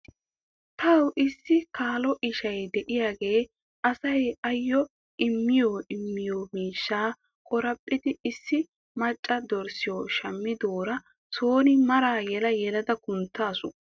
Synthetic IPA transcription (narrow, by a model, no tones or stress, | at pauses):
t̪ʰɐwʔɪsːɪkaːlɔʔɪʃɐjd̪ɛʔɪjaːɡe̞ː | ʔɐsɐjɐjːɔ | ʔɪmːɪjoːʔɪmːɪjoːmiːʃːaː | kʼɔɾɐpʼːɪt̪ɪɪsːɪ | mɐt͡ʃʼːɐd̪ɔɾsɪjoːʃɐmːɪd̪oːɾɐ | soːnɪmɐɾaːjɛlɐjɛlɐd̪ɐkʊnt̪ːaːsʊ